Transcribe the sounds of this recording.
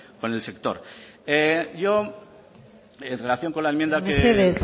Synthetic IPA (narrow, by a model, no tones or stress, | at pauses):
ko̞ne̞lse̞k̚t̪o̞̰ɾ | eʝo̞ | enre̞laθjo̞ŋko̞nlaemjend̪akeeseðe